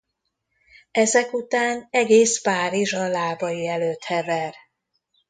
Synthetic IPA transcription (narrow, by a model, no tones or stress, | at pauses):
ɛzɛkut̪aːnɛɡeːspaːɾiʒɒlaːbɒjiɛløːt̪hɛvɛr